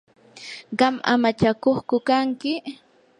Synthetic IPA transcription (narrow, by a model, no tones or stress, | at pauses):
ɢɑma̰mat͡ʃakoχkʊkaŋkɪ